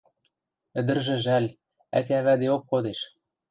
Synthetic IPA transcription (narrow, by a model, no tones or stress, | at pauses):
ɘ̆d̪ɘ̆rʒɘ̆ʒælʲ | æ̰tʲæβæd̪eokːod̪eʃ